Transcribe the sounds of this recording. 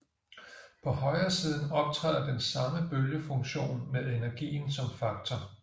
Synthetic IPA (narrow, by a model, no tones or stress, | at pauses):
pʰɒ̽hɒ̽ɪɐːsiːð̞ˠn̩ɒ̽b̥̚t͡sʰʁɛ̰ːð̰ˠɐd̥ensɑ̈məb̥øljəfɔ̽ŋɕo̝̰ːnmeðˠe̝næɐɡ̥ḭːn̩sɒ̽mfɑ̈ɡ̥̚t͡sʰɒ